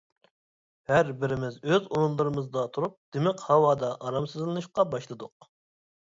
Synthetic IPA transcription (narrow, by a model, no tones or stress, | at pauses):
hæɾbɪɾɪmɪzøzonunlˠɨɾɨmɨzd̪ɑt̪ʰuɾup̚d̪̥emɛqhɑwɑːd̪ɑʔɑɾɑmsɨzlˠɨnɨʃqɑbɑʃlˠɨd̪ʊq